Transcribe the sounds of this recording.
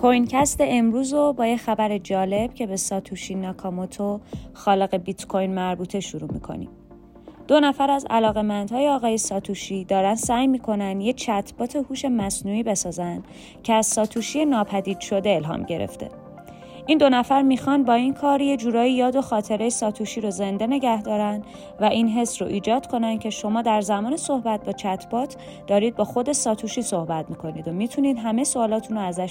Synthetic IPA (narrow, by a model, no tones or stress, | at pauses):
kʰojncʰæst̪eemɾuːzobɒːjexæbæɾed͡ʒɒːle̞b̥cʰe̞be̞sɒːt̪ʰuʃinɒkʰɒmot̪ʰoxɒːle̞ɣe̞bit̪kʰo̞jnmæɾbuːt̪ʰe̞ʃuɾuːmḭːkʰo̞̰nḭm | d̪̥o̞næfæɾæzæ̰lɒːɣe̞mænd̪hɒːjeɒːɣɒːje̞sɒːt̪ʰuʃiːd̪ɒːɾænsæːjmiːkʰo̞nænd̪je̞t͡ʃʰæt̪ʰb̥ɒːt̪ʰe̞huːʃe̞mæsnuːiːbe̞sɒːzænd̪̥ | cʰeæzsɒːt̪ʰuːʃijenɒːpʰæd̪iːd̪̥ʃo̞d̪e̞elɦɒ̰ːmɟe̞̰ɾḛft̪ʰe̞̰ | ʔiːnd̪o̞næfæɾmiːxɒnbɒːinkʰɒːɾjed͡ʒuːɾɒːjijɒːd̪o̞xɒːt̪ʰe̞ɾejesɒːt̪ʰuːʃiːɾoze̞nd̪e̞ne̞ɟæhd̪ɒːɾænd̪ | væʔinɦe̞sɾoʔiːd͡ʒɒːd̪̥kʰo̞nænd̪̥̚cʰe̞ʃo̞mɒːd̪æɾzæmɒːne̞so̞hbæt̪̚bɒːt͡ʃʰæt̪ʰb̥ɒːt̪ʰ | d̪̥ɒːɾiːd̪̚bɒːxo̞d̪e̞sɒːt̪ʰuːʃiːso̞hbæt̪̚ʰmiːkʰo̞niːd̪omiːt̪ʰuniːd̪ɦæmesoːlɒːt̪ʰunoæzæʃ